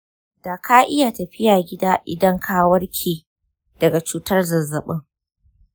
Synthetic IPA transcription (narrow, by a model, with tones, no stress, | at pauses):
d̥aː˨kʰaː˦ʔɪ˦jaː˨tɐ˨ɸɪ˦jaː˨ɡʲɪ˦daː˦ʔɪ̰˨dɐ˦ŋkʰaː˦wɐ˦rkʲʰiː˨ | d̥ɐ˨ɡa˨t͡ʃuː˦tɐ˦rzɐ˨zɐ˨ɓɪ˦ŋ